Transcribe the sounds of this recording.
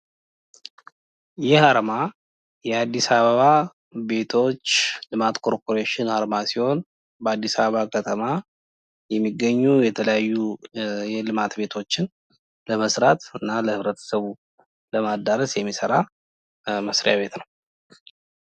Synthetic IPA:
jɪhaɾma | jɛad̪ːisaβəβa | be̞t̪ʰo̞t͡ʃːlɨmat̪kʰo̞ɾpʰo̞ɾeʃɪnhaɾmasiho̞n | bəad̪ːisaβəβakʰət̪ʰʼəma | jɛmːiɡːəɲːujɛt̪ʰələjajːujɛlɨmat̪be̞t̪ʰo̞t͡ʃːɪn | ləməsɾat̪ɨnːaləhɨβɾət̪ʰə̥səβu | ləmad̪aɾəsjɛmːisəɾa | məsɾijaβe̞t̪nəw

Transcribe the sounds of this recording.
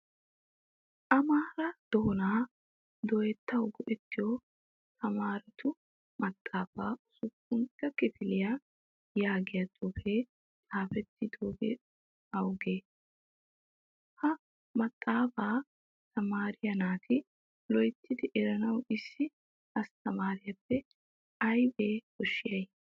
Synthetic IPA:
ʔɐmaːɾɐd̪̥ɔɔnaː | d̪ɔjɛt̪ːɐwɡɔʔɛt̪ːɪjo | t̪ɐmaːɾɛt̪ʰʊ | mɐt̪ʼːaːfaːʊsʊkːʊnt̪ːɐkɪfɪlɪja | jaːɡɪjɐt̪ʼɔfeː | t̪ʼaːfɛt̪ːɪd̪oːɡɛ̰ | ɐwɡeː | hɐ | mɐt̪ʼːaːfaː | t̪ɐmaːɾɪjɐnaːt̪ʰɪ | lɔjt̪ːɪd̪ɪʔɛɾɐnɐwɪsːɪ | ɐst̪ɐmaːɾɪjɐpːɛ | ɐjbeːkɔʃːɪjɐj

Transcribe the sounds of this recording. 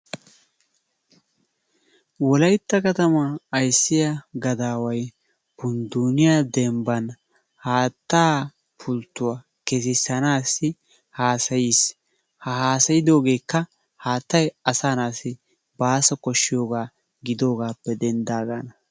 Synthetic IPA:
wɔlɐjt̪ːɐkɐt̪ɐmɐːjsːɪjɐɡɐd̪aːwɐj | bʊnd̪unɪjad̪ɛmbɐn | haːt̪ːaː | pʰʊlt̪ːʊwa | kɛs̬ɪsɐnaːsːɪ | haːsɐjiːs | hɐɦaːsɐjɪd̪o̞ːɡe̞ːkːɐ | haːt̪ːɐjɐsaːnaːsɪ | baːsɔkɔʃːɪjo̞ːɡaː | ɡɪd̪o̞ːɡaːpːɛd̪ɛnd̪aːɡaːnɐ

